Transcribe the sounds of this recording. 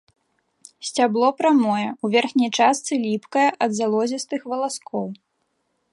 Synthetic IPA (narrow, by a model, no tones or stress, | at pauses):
sʲt͡sʲablˠɔpɾamɔjɛuvʲɛrxnʲɐjt͡ʂast̪sɨlʲipkɐjɐʔɐd̪zalˠɔzʲist̪ɨxvɐlˠaskɔw